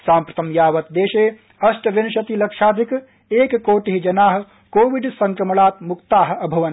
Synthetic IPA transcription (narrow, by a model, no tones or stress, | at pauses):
saːmpɾɐt̪ɐmjaːʋɐt̪d̪eːʃeː | ɐsʈʋenʃɐt̪ilɐkʂaːd̪ʱik | eːkkoːʈiɦid͡ʒɐnaːɦɐ̆ | koːʋiɖsɐ̃ŋkɾɐmɐɭaːt̪mukt̪aːɦɐbʱɐʋɐn